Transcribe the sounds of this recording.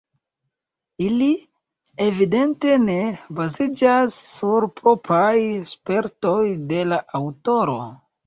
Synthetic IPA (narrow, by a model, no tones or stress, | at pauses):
ili | evide̞nte̞ne̞bazid͡ʒasːuɾpʰɾo̞pɾajspe̞ɾto̞jde̞laʔawto̞ɾo̞̰